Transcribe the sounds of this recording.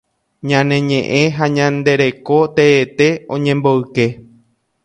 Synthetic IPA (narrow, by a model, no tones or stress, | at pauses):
ɲãnẽ̞ɲẽʔẽ̞ɦaɲãnd̪e̞ɾe̞ko̞t̪eːt̪e̞õ̞ɲẽ̞mbo̞ɨke̞